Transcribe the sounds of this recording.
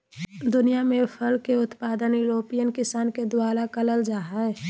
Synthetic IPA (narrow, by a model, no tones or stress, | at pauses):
d̪ʊnijamẽpʰəlkeʊt̪paːd̪ənjuɾoːpijənkɪsaːnked̪waːlakələld͡ʒaːɦaɛ